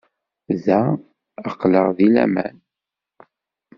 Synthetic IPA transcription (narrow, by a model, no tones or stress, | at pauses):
ðæ | əqːləʁðilæ̰mæ̰n